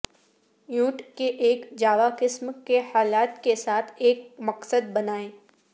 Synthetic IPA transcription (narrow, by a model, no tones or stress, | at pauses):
jũːʈkeʔeːkd͡ʒaːʋakɪsmkehaːlaːt̪kesaːt̪ʰeːk̚mɐqsəd̪̚bɐnaːẽː